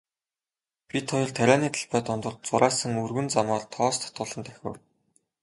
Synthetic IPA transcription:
pʲit̪ʰɔjɞ̆ɮt̪ʰæɾʲæːniːt̪ʰə̥̆ɮpæːt̪ʊnt̪ɞ̆ɮt͡sʊɾʔaːsə̆ŋɵrɣɘ̆nt͡samɔːɮt̪ʰɔːst̪ʰḁt̪ʊɮɞ̆nt̪æxʲɘ̰̆w

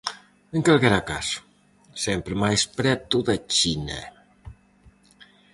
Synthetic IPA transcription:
əŋkalɣeɾakas | sempɾəmajspɾɛt̪uðat͡ʃinḛ

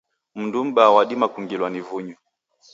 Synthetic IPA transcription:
m̩ndum̩bawaɗimakuŋɡilwanivuɲu

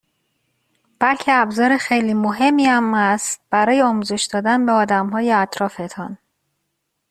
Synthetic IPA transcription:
b̥ælcʰeæbzɒːɾexejliːmoɦe̞mːiæmæst̪̚b̥æɾɒːjeɒːmuːze̞ʃd̪ɒːd̪ænbeɒːd̪æmɦɒːjeæt̪ʰɾɒːfe̞t̪ʰɒ̰n

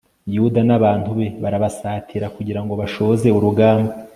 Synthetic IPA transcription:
judanaβaːn̥tuβe̞βaɾaβasaːtʰiɾakuɟiɾaŋɡo̞βaʃoze̞uɾuɡaːmba

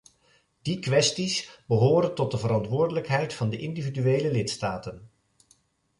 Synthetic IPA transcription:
d̥ikʋɛstisbəɦoːɾəntɔt̚dəvəɾɑntʋʊːɹdələkɦɛjtfɑndəʔɪndividyejləlɪtstaːtən

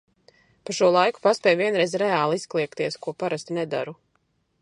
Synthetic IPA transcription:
paʃuɔlˠajku̥paspʲɛjviɛnɾɛzɾɛaːlˠisklˠiɛkt̪iɛskuɔpaɾast̪inɛd̪a̰ɾu

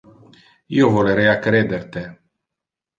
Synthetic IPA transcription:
jewvoɾeɾeakɾed̪ert̪e

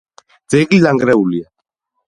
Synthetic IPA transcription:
d̪z̥ɛɡlilaŋɡɾɛulia

